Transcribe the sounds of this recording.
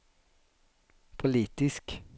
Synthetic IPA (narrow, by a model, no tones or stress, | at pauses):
pʰʊliːt̪ɪsk